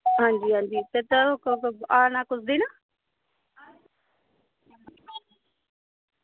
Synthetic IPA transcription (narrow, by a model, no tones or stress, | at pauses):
ɦãːɲd͡ʒiːɦãːnd͡ʒiːt̪et̪əkaːnaːkʊsʰd̪iːnaː